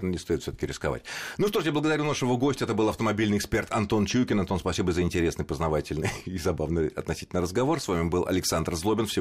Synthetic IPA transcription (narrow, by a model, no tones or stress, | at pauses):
nonʲɪst̪ojɪt̪fsʲot̪ə̥kʲɪɾʲɪskɐva̰tʲnuʂt̪o̞ʐjablˠəɡəd̪ɐɾʲunaʂɨvoɡosʲtʲəɛt̪əbɨlˠɐft̪əmɐbʲilʲnɨjɪkspʲe̞rt̪ɐnt̪o̞nt͡ɕukʲɪnɐnt̪o̞nspɐsʲibəzəɪnʲtʲɪɾʲesnɨjpəznɐvatʲɪlʲnɨɪzɐbavnɨɐ̰t̪nɐsʲi̥tʲɪlʲnəɾəzɡɐvo̞rsvamʲɪbɨlˠɐ̰lʲɪksand̪rzlˠobʲɪnfsʲɪ